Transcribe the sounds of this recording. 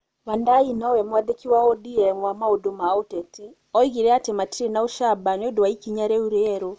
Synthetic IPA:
wandainawɛmwaðekiwaɔdiɛŋwamaodomaotɛti | ɔiɣiɾɛatematiɾenaoʃabaɲodowaikiɲaɾɛuɾeːɾo

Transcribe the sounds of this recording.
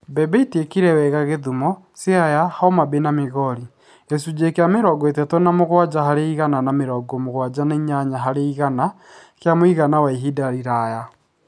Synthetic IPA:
bɛbeitekiɾɛwɛɣaɣeðumɔ | seajahaɔmabenameɣɔɾi | esud͡ʑekeameɾɔɡwetɛtɔnamoɣwad͡ʑaɦaɾeiɣananameɾɔɡɔmoɣwad͡ʑaneɲaɲaɦaɾeiɣana | keamoiɣanawaiɦidaɾiɾaja

